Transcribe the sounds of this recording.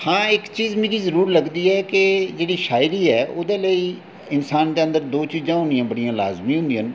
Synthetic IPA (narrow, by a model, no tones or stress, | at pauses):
hãːɪkt͡ʃiːzmeːɾiːzəɾuːɾləɡd̪iːɛːked͡ʒeːɽiːʃaːɪɾiːɛːʔoːd̪eːləiː | ɪnsaːnd̪eːənd̪əɾd̪oːt͡ʃiːzãːɦʊ̃nd̪ɪjãːbəɽijãːlaːzmĩːɦʊ̃nd̪iə̃n